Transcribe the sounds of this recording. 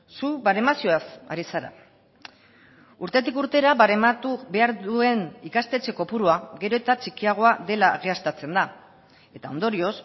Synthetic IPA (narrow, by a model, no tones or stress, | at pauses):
suβaɾe̞masio̞asa̰ɾisaɾa̰ | uɾt̪e̞t̪ikuɾt̪e̞ɾaβaɾemat̪uβe̞aɾðue̞nikast̪e̞t͡ʃe̞ko̞puɾuaɣe̞ɾo̞et̪at͡ʃikiaɣ̞o̞aðe̞laːɣiast̪at͡se̞nd̪a | e̞t̪ao̞nd̪o̞ɾio̞s